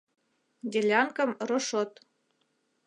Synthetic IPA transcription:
d̪ʲelʲɑŋkɤ̆mroʃot̪

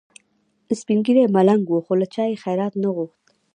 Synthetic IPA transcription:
ɪspiŋɡiɾemalaŋɡwoxolat͡ʃɑjexajɾɑt̪naɣuxt̪

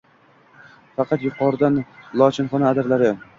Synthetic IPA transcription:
fɑqʰɑt̪jʊqʰɒɾɪd̪anlˠɒt͡ʃʰɪnχɒnaad̪ɪɾlaɾɪ

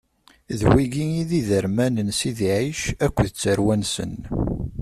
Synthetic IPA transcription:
ðwiɡiiðiðəɾmænənsiðiʕiʃækʷːðət͡sːəɾwænsə̰n

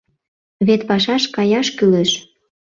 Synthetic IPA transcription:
βet̪pɑʃɑʃkɑjɑʃkyleʃ

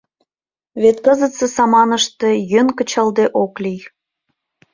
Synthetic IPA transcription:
βet̪̚kəzə̆t̪sesɑmɑnəʃt̪ejønkə̆t͡ɕəld̪eʔoklij

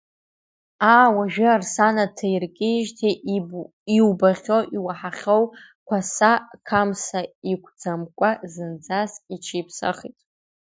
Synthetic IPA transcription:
aːwaʒᶣɪarsanatʰajrkʲʼɪʒtʰe | iwbaʁʲo̞wʔiwaħaχʲow | kʷʰasakʰamsaikʷʰʼd͡zamkʷʼazɨnd͡zasit͡ʃʰipʰsa̰χḭtʼ

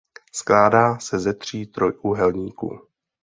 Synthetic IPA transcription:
sklaːdaːsɛzɛt̪r̝̥iːt̪ɾo̞jʔuːɦɛlɲiːkṵː

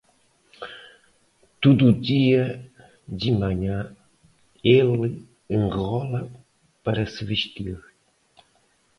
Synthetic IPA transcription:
t̪ud̪uːd̪iɐ | d̪ɨmɐɲã | elɨ | ẽŋʁɔlɐ | pɐɾɐsɨvɨʃt̪iɾ

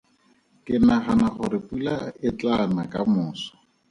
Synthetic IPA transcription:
kʼɪnaχanaχʊɾɪpʼulaɪt͡ɬanakʼamʊːsɔ̥

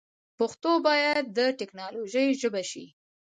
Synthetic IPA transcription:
poxt̪obɑjad̪̚ːəʈɪknɑloʒəjʒəbaʃi

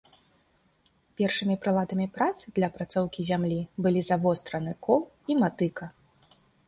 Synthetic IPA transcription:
pʲɛrʂɨmʲipɾɨlˠad̪ɐmʲipɾat̪sɨd̪lʲɐpɾat̪sɔwkʲizʲamlʲibɨlʲizavɔst̪ɾɐnɨkʰɔlˠ | imat̪ɨkɐ

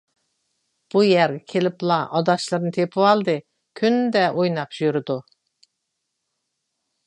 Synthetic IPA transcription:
b̥ujæɾɡʲɛkʲʰelɪplˠɑʔɑd̪ɑʃlˠɨɾnɨt̪ʰepʰɪwɑlˠd̪ɨ | kʲʰynd̪ɛʔojnɑpʒjyɾɨd̪u

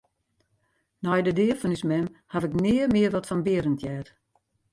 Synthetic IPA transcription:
nɔjdədɪəfɔnysmɛmhavɪknɪːərmɪərʋɔtfɔnbɪəɾəntʰjɛːt

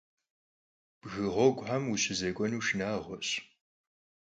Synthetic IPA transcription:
b̥ɣɨʁʷɔɡʷħamuɕɪzeːkʷʼɔnuːʃnaːʁʷɔɕ

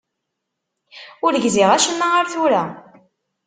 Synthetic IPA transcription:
ʊɾʝziʁæʃənːaaɾθuɾæ

